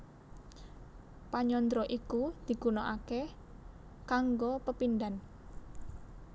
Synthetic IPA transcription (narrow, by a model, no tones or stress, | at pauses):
paɲɔnd̪ɾɔʔikud̪̥i̤ɡ̥ṳnoʔake | kaŋɡopəpind̪an